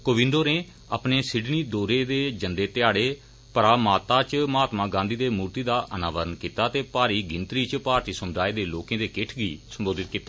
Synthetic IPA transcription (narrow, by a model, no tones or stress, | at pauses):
koːʋɪ̃nd̪oːneː | a̰ːpneːsɪɖniːd̪oːɾeːd̪eːd͡ʒənd̪eːt̪ɪjaːɽeː | pəɾaːmaːt̪aːt͡ʃmaːt̪mãːɡãːnd̪iːd̪eːmuːɾt̪iːd̪aːʔənaːʋəɾənkiːt̪aːt̪eːpaːɾiːɡɪnt̪ɾiːt͡ʃpaːɾt̪iːsəmd̪aːeːd̪eːloːkẽːd̪eːkɪʈʰɡiːsəmboːd̪ɪt̪̚kiːt̪aː